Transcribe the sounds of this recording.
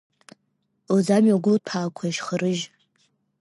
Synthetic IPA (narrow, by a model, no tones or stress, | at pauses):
ozamɥaɡʷʊpʰaːkʷʰaiʃχəɾɨʒ